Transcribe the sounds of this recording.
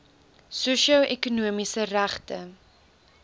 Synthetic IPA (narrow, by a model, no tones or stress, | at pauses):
suʃiɐʔɛkunuəmisəræχtə